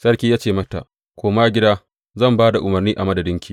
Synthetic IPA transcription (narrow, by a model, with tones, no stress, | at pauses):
sɐ˦rkʲiː˦jaː˦t͡ʃeː˨mɐ˦ta̰˨ | kʷoː˦maː˦ɡʲɪ˦daː˦ | zɐ˦˨mbaː˦da˨ʔʊ˨mɐ˨rniː˦ʔa˨mɐ˦dɐ˨dɪ˦ŋkʲʰiː˦˨